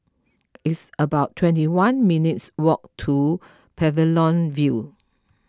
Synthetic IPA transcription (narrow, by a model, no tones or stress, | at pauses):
itsəbaʊtʰːwɛ̃ntiwãnminitswɔk̚tʰu | pʰɛvəlɔ̃nvju